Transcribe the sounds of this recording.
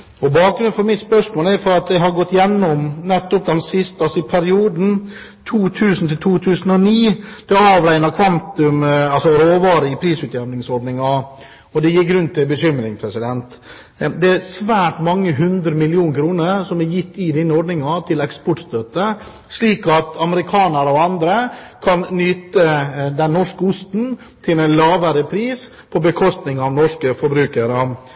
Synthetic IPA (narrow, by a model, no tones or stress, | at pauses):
ɔbɑːk̚ɡɾʉn̩fɔɾmɪt̪spœʂmoːlæɾfɔɾɑt̪̚d̪ɛɦɑɾɡɔt̪ːjɛnːɔmnɛt̪ːɔp̚d̪ɛmsɪst̪ɑlsɔɪpʰæɾɪuːd̪n̩ | t̪ʰuːt̪ʰʉːsn̩t̪ʰɪlt̪ʰuːt̪ʰʉːsn̩ɔniːd̪̥ɛɑːʋɾæɪnɑkʰʋɑnt̪ʉmɑlsɔɾoːʋɑːɾəɪpʰɾiːsʉːt̪jɛʋnɪŋsɔɖnɪŋɑ | ɔd̪ɛjɪk̚ɡɾʉnt̪ʰːɪlbəɕʏmːɾɪŋpʰɾɛsɪd̪ɛnt̪ | d̪ɛæɾsʋæːʈmɑŋːəɦʉnd̪ɾəmɪlɪuːnkʰɾuːnəɾsɔmæɾjɪt̪ːɪd̪ɪnːəɔɖnɪŋɑt̪ʰɪlɛkspɔʈst̪øːt̪ə | sɭiːkɑt̪ɑməɾɪkʰɑːnəɾɔɑnd̪ɾəkʰɑnnyːt̪əd̪ɛnːɔʂkəʊst̪n̩ | t̪ʰɪlɛnlɑːʋəɾəpʰɾiːs | pʰɔbəkʰɔst̪nɪŋɑʋnɔʂkəfɔɾbɾʉːkəɾə